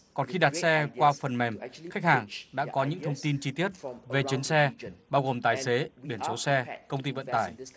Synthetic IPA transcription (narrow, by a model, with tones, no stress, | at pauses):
kɔ˨˩nxi˧ɗa˨˩t̚sɛ˧kwaː˧fə˨˩nmɛ˨˩mxa˦˥k̟̚haː˨˩ŋɗa̰ː˧˥kɔ˨˦ɲɨ̰˧˥ŋt̪ʰə˧wŋ͡mt̪i˧nt͡ɕi˧t̪i˦˥ət̚ve˨˩t͡ɕi˨˦ənsɛ˧ɓaː˧wɣo˨˩mt̪aː˨˩jse˨˦ɓi˧˩ənso˨˦sɛ˧kə˧wŋ͡mt̪i˧və̰˧˨nt̪aː˧˩j